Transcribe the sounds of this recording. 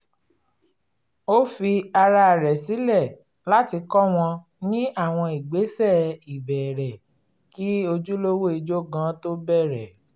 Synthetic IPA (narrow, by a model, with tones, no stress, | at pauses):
o˦fi˧a˧ɾa˧˨ɾɛ˨si˨˦lɛ˦˨ | la˦ti˧kɔ˦w̃ɔ̃˧ | nĩ˦a˦˨w̃ɔ̃˧i˨ɡ͡be˨˦sɛ˦˨i˨bɛ˨ɾɛ˨ | ki˦o˧d͡ʒu˦lo˦wo˦i˧d͡ʒo˦ɡã˨˦to˦bɛ˦˨ɾɛ˨